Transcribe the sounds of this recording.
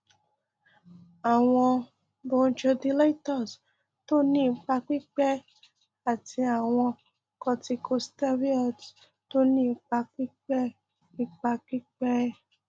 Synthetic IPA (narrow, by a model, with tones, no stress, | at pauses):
a˨w̃ɔ̃˧ | bõ˨˧t͡ʃɔ˧di˧la˦i˦tɔ˦˨s | to˦nĩ˦˨˧k͡pa˧k͡pi˦k͡pɛ˦ | a˨ti˧a˨w̃ɔ̃˧ | kɔ˧ti˧kʰo˧sta˦ɾi˦ɔ˦˨t | to˦nĩ˦˧k͡pa˧k͡pi˦k͡pɛ˦ | i˧k͡pa˧k͡pi˦k͡pɛ˦